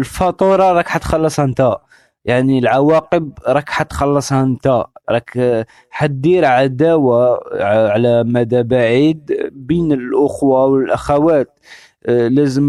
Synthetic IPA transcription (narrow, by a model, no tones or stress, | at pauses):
lfɑt̪ˤuɾˤɑɾˤɑkħat̪xɑlːəsˤhænt̪æ | jaʕnilʕawɑqəbɾˤɑkħat̪xɑlːəsˤhænt̪æɾˤɑk | ħad̪iɾʕad̪æwaʕʕlæmæd̪æbaʕid̪binəlʔʊxwawəlʔaxawæt̪ | læzəm